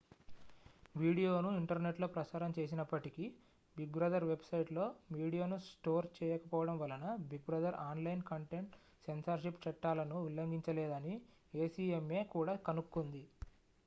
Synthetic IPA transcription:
ʋiːɽijo̞ːnuiɳʈɐɾne̞ʈlo̞ːpɾɐsaːɾɐmt͡ʃe̞ːs̬inɐpːɐʈiki | biɡbɾɐd̪ʱɐɾʋe̞bsɐjʈlo̞ːʋiːɽijoːnusʈo̞ːɾt͡ʃɛːjɐkɐpɔːʋɐɽɐmʋɐlɐnɐbiɡ̚bɾɐd̪ʱɐɾʔaːnlɐjnkɐɳʈeɳʈ | se̞nsɐɾʃipt͡ʃɐʈːaːlɐnuʋilːɐŋɡ̪iɲt͡ʃɐlɛːd̪ɐni | eːsiːeme̞ːkuːɽaːkɐnukːund̪i

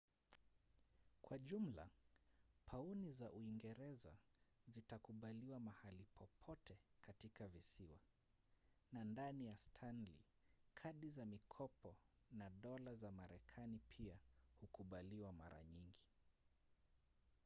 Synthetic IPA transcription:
kwaʄum̩la̰ | pʰaunizaʔuiŋɡɛɾɛza̰zitakuɓaliwamahalipʰɔpʰɔtɛkatikavisiwa | nandanijastʰanlḭ | kʰaɗizamikʰɔpɔ | naɗɔlazamaɾɛkʰanipʰiahukuɓaliwama̰ɾa̰ɲiŋɡi

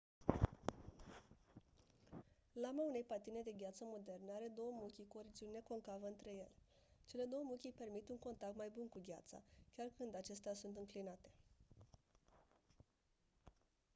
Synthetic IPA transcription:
lamaune̞jpat̪ine̞d̪e̞ɡʲjat̪səmo̞d̪e̞rneaɾe̞d̪o̞wəmukʲiko̞ɾid͡ʒiune̞ko̞ŋkavəɨnt̪ɾe̞je̞le | t͡ʃe̞le̞d̪o̞wəmukʲijpe̞rmit̪uŋko̞nt̪ak̚t̪majbunkuɡʲa̰t̪sa̰kʲarkɨnd̪at͡ʃe̞st̪easunt̪ɨŋklinat̪e̞̥

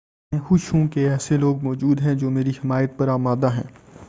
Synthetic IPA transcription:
ẽxʊʃũkeɛːseloːɡ̚mɔːd͡ʒuːd̪ɦɛ̃d͡ʒoːmeːɾiɦɪmaːjət̪̚pɐɾaːmaːd̪aɦɛ̰̃ː

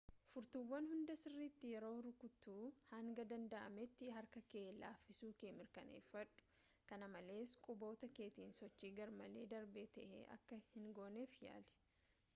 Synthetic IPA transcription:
fʊɾt̪ʊwːɐnhʊnd̪ɐsɪrːiːt̪ːɪjɛɾo̞ːɾʊkʊt̪ːuːhɐŋɡɐd̪ɐnd̪ɐʔɐ̰mɛt̪ːɪɦɐɾkɐkeːla̰ːfːɪsuːkeːmɪɾkɐnḛːfːɐᶑʊ̥ | kɐnɐmɐle̞ːskʼʊbo̞ːt̪ɐke̞ːt̪iːnsɔt͡ʃːiːɡɐɾmɐle̞ːd̪ɐɾbeːt̪ɐʔḛːʔɐ̰kːɐhɪŋɡo̞ːneːfja̰ːlɛ̥

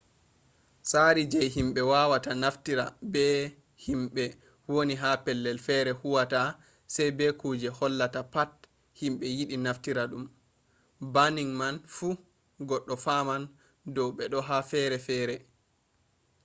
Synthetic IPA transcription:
saɾid͡ʒɛjɦimɓɛwawatanaftiɾabɛ | himɓɛ | woniɦapɛlːɛlfɛɾɛhuwata | sɛjbɛkud͡ʒɛhɔlːatapat | himɓɛjiɗinaftiɾaɗum | baniŋmanfu | ɡɔɗːɔfaman | dɔwɓɛɗɔɦafɛɾɛfɛːɾɛ

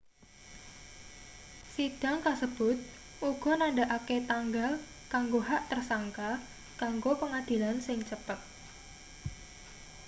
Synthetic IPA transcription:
sid̥a̤ŋkasəb̥ʊt̪̚ | ʔuɡ̥ɔ̤naɳɖaʔaket̪aŋɡal | kaŋɡoɦaʔt̪ərsaŋka | kaŋɡopəŋad̪̥i̤lansɪŋt͡ʃəpət̪̚

